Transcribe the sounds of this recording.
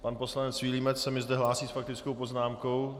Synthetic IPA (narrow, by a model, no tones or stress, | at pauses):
panpo̞slanɛt͡svilimɛt͡ssɛmɪzd̪ɛɦlaːsiːsfak̚t̪ɪt͡skowpo̞znaːmko̞w